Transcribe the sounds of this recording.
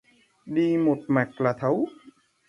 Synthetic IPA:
ɗi˧mo˨˩t̚ma˨˩k̚laː˨˩t̪ʰə˨˦w

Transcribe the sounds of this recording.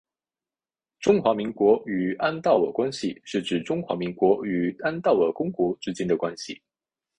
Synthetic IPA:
ʈ͡ʂʊ˥ŋxwa˧˥mi˧˥ŋkwɔ˧˥y˨˩a˥nt̪ɑ˥˩ʊwə̰˨˩kwa˥nɕḭ˨ʂɻ̩˥˩ʈ͡ʂɻ̩˨˩ʈ͡ʂʊ˥ŋxwa˧˥mi˧˥ŋkwɔ˧˥y˨˩a˥nt̪ɑ˥˩ʊə˨˩kʊ˥ŋkwɔ˧˥ʈ͡ʂɻ̩˥t͡ɕɛ˥nd̪ə˨kwa˥nɕḭ˨˩

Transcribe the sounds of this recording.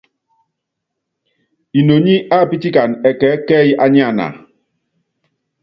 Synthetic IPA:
i˨no˨ɲi˦a˦˨pi˦ti˦ka˨nɛ˨kɛ˨˦kɛː˦ji˦ʔa˦ɲi˦a˨na̰˨

